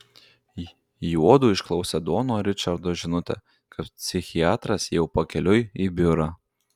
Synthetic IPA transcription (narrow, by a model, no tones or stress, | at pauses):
juɔd̪uːɪʃklˠɐʊsʲɛd̪oːnoːɾʲɪt͡ʃɐɾd̪oːʒʲɪnʊt̪ʲɛ̰ | kɐppʲsʲɪxʲɪɑːt̪ɾɐsjɛʊpɐkʲɛlʲʊjibʲʊɾɐ